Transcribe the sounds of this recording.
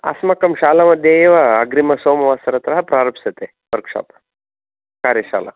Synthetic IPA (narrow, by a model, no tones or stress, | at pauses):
ɐ̰smɐkɐmʃaːlɐmɐd̪ʱjeeʋɐːɡɾimɐsoːmɐʋasɐɾɐt̪ɾɐɦɐpɾaːɾɐpsɐt̪e | ʋɐɾkʂa̰ːp | kaːɾjɐʃa̰ːla̰